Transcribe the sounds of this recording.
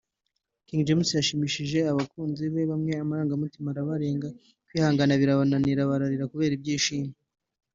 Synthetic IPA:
kiŋd͡ʒemusijaʃimiʃiʒe̞aβakuːnziβe̞βamŋe̞amaɾaːŋɡamutimaɾaβaɾe̞ːŋɡa | kwiːhaːŋɡanaβiɾaβananiɾaβaɾaɾiɾakuβe̞ːɾib̚ɟiːʃiːme

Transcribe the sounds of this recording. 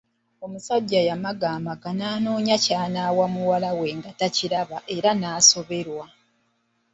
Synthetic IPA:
o̞musaɟːajamaɡaːmaɡanaːno̞ːɲacaːnaːwamuwalawe̞ŋɡataciɾaβaʔe̞ɾanaːso̞βe̞ɾwa

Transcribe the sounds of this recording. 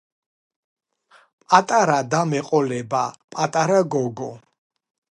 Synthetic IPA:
pʼat̪ʼaɾad̪amɛqʼɔlɛbapʼat̪ʼaɾaɡɔɡɔ

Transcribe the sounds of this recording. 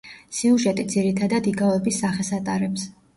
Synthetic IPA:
siuʒɛt̪ʼid̪ziɾit̪ʰad̪ad̪iɡaɛbisːaχɛsat̪ʼaɾɛps

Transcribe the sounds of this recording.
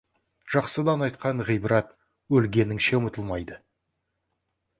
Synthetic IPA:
ʒ̥ɑqsəd̪ɑnɑjt̪̚qɑɴʁijbəɾɑt̪ | wɵlɡʲe̞nɪŋʃe̞mət̪əlˠmɑjd̪ə

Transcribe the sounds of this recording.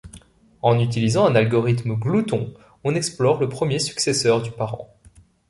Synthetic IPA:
ɑ̃nyt̪̬ilizɑ̃ɛ̃nalɡɔʁit̪mɡlut̪ɔ̃ | ɔ̃nɛksplɔʁləpχəmjesy̥ksesœʁd̪ypaʁɑ̰̃

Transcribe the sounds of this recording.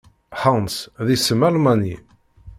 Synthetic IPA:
ħənsðisəmælmani

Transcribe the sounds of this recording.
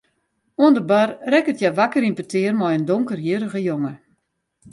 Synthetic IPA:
uəndəbarrɛkətjaʋakəɾinpətʰɪərmɔjəndoŋkərjəɾəɣəjoŋə

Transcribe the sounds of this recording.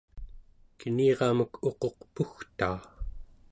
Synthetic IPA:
kəniːʁɑməkʰo̞qo̞qpuxt̪aː

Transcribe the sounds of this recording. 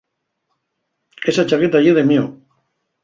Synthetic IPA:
esat͡ʃaket̪aʝeðemio

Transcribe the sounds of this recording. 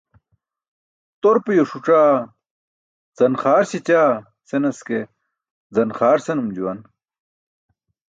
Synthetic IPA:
t̪oɾpejoʂuʈ͡ʂaː | z̥ɐnχaːɾsit͡ɕaː | senɐske | zɐnχaːɾsenumd͡ʑuwɐn

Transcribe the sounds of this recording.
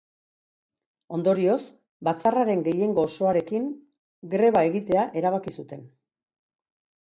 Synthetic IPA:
o̞nd̪o̞ɾio̞s | bat͡saraɾe̞ŋɡe̞je̞ŋɡo̞ːso̞aɾe̞kiŋ | ɡɾe̞β̞ae̞ɣit̪e̞aʔe̞ɾaβ̞akisut̪e̞n

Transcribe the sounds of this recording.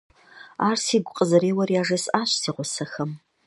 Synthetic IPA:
aːrsiːɡʷʊqʼəzɐɾeːwɐrjaːʐɐsaːɕsiːʁʷʊsɐxɐm

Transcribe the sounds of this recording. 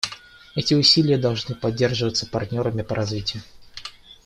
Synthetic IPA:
ɛtʲɪʊsʲilʲɪjəd̪ɐlˠʐnɨpɐdʲːe̞rʐɨvət̪sə̥pɐrt̪ʲnʲo̞ɾəmʲɪpəɾʔɐzvʲitʲɪjʊ

